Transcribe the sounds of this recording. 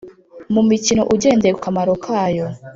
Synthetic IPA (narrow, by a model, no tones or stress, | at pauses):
mumicino̞̰ʔuɟe̞ːndekukamaɾo̞kʰajo